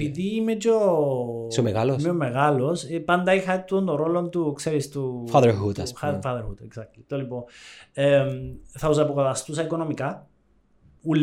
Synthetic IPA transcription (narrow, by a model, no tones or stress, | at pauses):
piðiːmet͡ʃo | smeɣalomeomːeɣalosepɐnd̪ɐixɐt̪ːuond̪oɾolont̪ukseɾist̪ufaðeɾɦut̪ɐsfafɐðeɾhut̪eksɐklit̪olipoemθɐus̬ɐpokoθɐst̪usɐikonomikɐ | ul